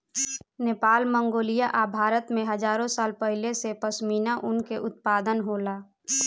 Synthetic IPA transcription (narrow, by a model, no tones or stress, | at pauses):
neːpaːlmə̃ŋɡoːlijaʔabʱaːɾət̪mẽɦəd͡ʒaːɾõsaːlpəɦɪlesepəsmiːnaʔʊnkeʔʊt̪̚paːd̪ənɦoːlaː